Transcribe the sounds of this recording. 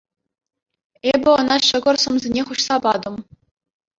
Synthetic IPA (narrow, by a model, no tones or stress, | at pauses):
ebʲɘ̆ŏnɑɕɤ̆ɡɤ̆rsɤ̆mzʲenʲeχuɕsɑpɑd̪ɤ̆m